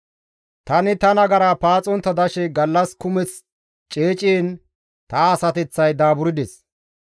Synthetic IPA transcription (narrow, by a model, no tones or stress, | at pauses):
t̪ɐnɪt̪ɐnɐɡɐɾɐpaːt͡sʼɔnt̪ːɐd̪ɐʃɛɡɐlːɐskʊmɛt͡s | t͡ʃʼeːt͡ʃʼeːn | t̪ɐːsɐt̪ɛt͡sːɐjd̪aːbʊɾɪd̪ɛs